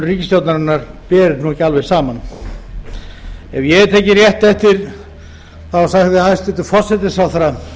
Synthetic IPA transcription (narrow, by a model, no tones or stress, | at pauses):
riːcɪst̪jowt̪naɾʏnːaɾpɛːɾɪnuhɛcalvɛ̥saːman | ɛvjɛt̪ʰeːjcɪrjɛht̪ɛht̪ɪɾ | θawsaɣðɪhajst̪ɛht̪ʏfɔr̥sɛt̪ɪsawθaɾa